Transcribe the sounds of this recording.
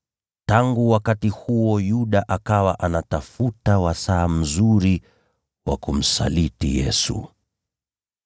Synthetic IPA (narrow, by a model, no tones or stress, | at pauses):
taŋɡuwakatihuɔjuɗaʔakawaʔanatafutawasaːm̩zuɾi | wakum̩sa̰litḭjɛ̰sṵ